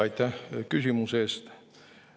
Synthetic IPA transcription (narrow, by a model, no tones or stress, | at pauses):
ɑit̪ːɑkysymuseˑst̪